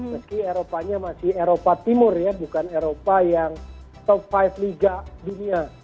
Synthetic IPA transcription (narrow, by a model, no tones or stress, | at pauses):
məskieɾopaɲamasɪheɾopat̪imʊrjabukaneɾopajaŋ | t̪ɔfajfliɡadunia